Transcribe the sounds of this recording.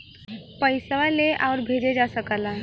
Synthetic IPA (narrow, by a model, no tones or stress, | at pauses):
pəɪsʋaleʔaʊɾbʱed͡ʒed͡ʒasəkəlaɦ